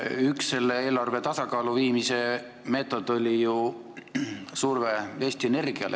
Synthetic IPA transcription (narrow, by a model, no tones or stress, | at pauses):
yksːe̞lːee̞ːlɑrve̞t̪ɑsɑkɑːluviːmise̞ | me̞ːt̪ːˑo̞d̪̥o̞lʲiju | surve̞e̞ːsʲt̪iene̞rɡ̥iɑ̰lḛ